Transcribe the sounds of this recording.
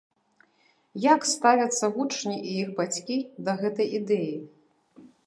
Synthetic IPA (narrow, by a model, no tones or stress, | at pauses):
jakst̪avʲɐt̪sːɐɣut͡ʂnʲiʔijixbat͡sʲkʲid̪ɐɣɛt̪ɐjid̪ɛji